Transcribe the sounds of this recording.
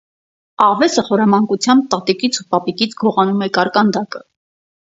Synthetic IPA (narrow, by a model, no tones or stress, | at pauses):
ɑʁvɛsəχɔɾɑmɑŋkut͡sʰjɑmb̚t̪ɑt̪ikit͡sʰupɑpikit͡sʰɡɔʁɑnumɛkɑɾkɑnd̪ɑkə